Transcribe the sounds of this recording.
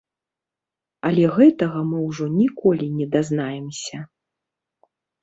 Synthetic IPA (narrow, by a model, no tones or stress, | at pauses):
ɐlʲɛɣɛt̪ɐɣɐmɨwʐɔnʲikɔlʲinʲɛd̪aznajɛmsʲɐ